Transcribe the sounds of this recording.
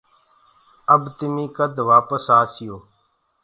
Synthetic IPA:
əbt̪ɪmĩːkəd̪ʱʋaːpəsaːsɪjoː

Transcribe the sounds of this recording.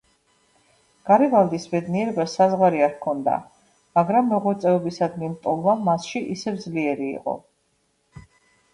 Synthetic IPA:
ɡ̥aɾɛvald̪isbɛd̪niɛɾɛbasazʁwaɾiaɾkʰɔnd̪a̰ | maɡɾamːɛʁɔt̪sʼɛvɛbisad̪nint̪ʼɔlˠvamasʃiʔisɛvd̪zliɛɾḭːqʼɔ̰

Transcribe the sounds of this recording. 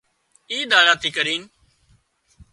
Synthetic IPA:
iːd̪aːɾaːt̪ʰiːkəɾiːn

